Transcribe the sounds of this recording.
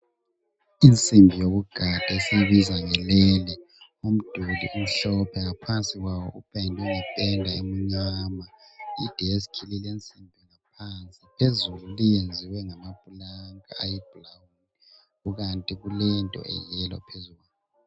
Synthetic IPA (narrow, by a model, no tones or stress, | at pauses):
int͡sʼimbʱijoβuɡ̥ʱad̥ʱaesijiβizaŋɛlɛlɛ | um̩d̥ʱulḭʔum̩ɬɔpʰɛŋapʰant͡sʼiɣwawɔʔupʰʼɛndʱɛŋɛpʼɛndʱaemuŋamaid̥ʱɛesi̥kʰililent͡sʼimbʱŋap̚ʰant͡sʼipʰezululijend͡zʱiwɛŋamab̥̚ʼʱulaŋa̰ajib̥ʱulawuni | ɣuɣantʼiɣulɛntʼɔ̰ɛ̰jɛlɔ̰pʰezuɣaːlɔ